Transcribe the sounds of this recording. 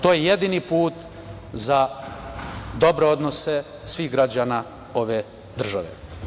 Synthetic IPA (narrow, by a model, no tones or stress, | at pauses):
t̪oːjeje̞d̪inipuːt̪ | za | d̪o̞bɾeo̞d̪no̞se | sʋiːxɡɾad͡ʑaːna | o̞ʋe | d̪r̩ʒaʋḛ